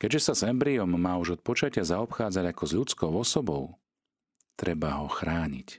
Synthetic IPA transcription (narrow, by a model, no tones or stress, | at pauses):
kɛɟʒɛsazɛmbɾiɔmːaːuʒɔt̪̚pɔt͡ʃacɪazaɔpxaːd͡zaɟakɔzʎut͡skɔʊɔsɔbɔʊ | t̪ɾɛbaɦɔxɾaːɲḭc